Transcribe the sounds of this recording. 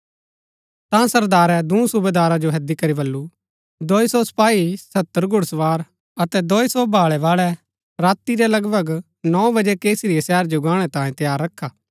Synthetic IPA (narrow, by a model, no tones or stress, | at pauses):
t̪ãsɐɾd̪aːɾɛd̪ũũsʊbed̪aːɾad͡ʒoɦɐd̪ikɐɾibɐlːu | d̪oːisɔsɐ̥paːisɐt̪ːəɾɡʱʊɽsʋaːɾ | ɐt̪ɛd̪oːisɔbʱaːɭɛʋaːɭɛ | ɾaːt̪ːiɾɛlɐɡbʱəɡ | nɔ̃ːbɐd͡ʒɛkeːsɾijesɛːɾd͡ʒoɡãːɽ̃ɛt̪ãːĩt̪ɐjaːɾːɐkʰːaː